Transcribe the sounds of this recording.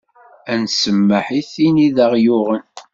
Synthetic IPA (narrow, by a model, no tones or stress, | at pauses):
ænsəmːəħiθiniðəʁjʊʁən